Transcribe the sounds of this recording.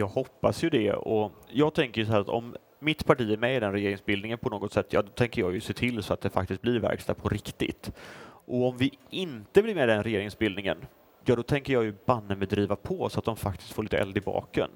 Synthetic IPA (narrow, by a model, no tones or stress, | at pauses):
jɑːɡhɔpːasjɵd̪ɛ̰ɔ̰jɑːɡ̚t̪ʰɛŋkəɾjʏsɔɦæːɾat̪ɔ̰mː | ɪt̪pʰaʈiːæɾmɛɪd̪ɛnɾɛjeːɾɪŋsbɪld̪nɪŋənpʰɔnoːɡɔt̪sɛt̪ʰːjɑ̰ːd̪ɔt̪ʰɛŋkəɾjɑːjɵseːt̪ʰɪlːsɔat̪̚d̪ɛfak̚t̪ɪst̪̚blɪɾvæ̰ɾkst̪apʰɔɾɪkt̪ɪ̰t̪ʔɔɔmvɪɪnt̪əblɪɾmeːd̪ɛnɾɛjeːɾɪŋsbɪld̪nɪŋə̰n | jɑːd̪ɔt̪ʰɛŋkəjɑːjɵbanːəmɛd̪ɾiːvapʰɔsɔat̪̚d̪ɔmfak̚t̪ʰɪ̥st̪foːɭiːt̪əɛ̰ld̪ɪbɑ̰ːkə̰n